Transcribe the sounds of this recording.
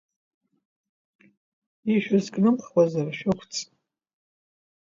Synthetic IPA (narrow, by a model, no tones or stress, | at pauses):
iʃᶣazkʼnɨmχwʷazarʃᶣʊχʷʰt͡sʼ